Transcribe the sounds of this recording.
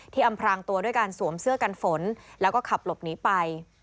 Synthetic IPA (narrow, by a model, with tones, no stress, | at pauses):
t̪ʰiː˥˩ʔa˧mpʰɾaː˧ŋt̪u˧ɐdu˥˩əjkaː˧nsu˩˦əmsɯ˥˩əka˧nfo˩˦nlɛː˦˥wkɔː˥˩kʰa˨˩p̚lo˨˩p̚niː˩˦˥pa˧j